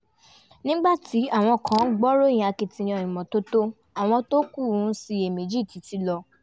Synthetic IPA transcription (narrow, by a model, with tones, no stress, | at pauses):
nĩ˦ɡ͡ba˦˨ti˨˦a˦˨w̃ɔ̃˧kʰã˨˦ɡ͡bɔ˦ɾõ˦˨a˧ke˧tĩ˧j̃ã˧˨ĩ˨mɔ̃˨to˦to˦ | a˨w̃ɔ̃˧to˦ku˦˨ũ˨˦si˧e˨me˨d͡ʒi˦˨ti˨˦ti˦lɔ˧